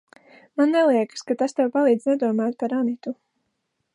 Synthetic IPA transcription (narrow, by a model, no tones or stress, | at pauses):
manːɛlˠiɛkskat̪ast̪ɛwpalˠiːd̪znɛd̪uɔmaːt̪̚paɾanit̪u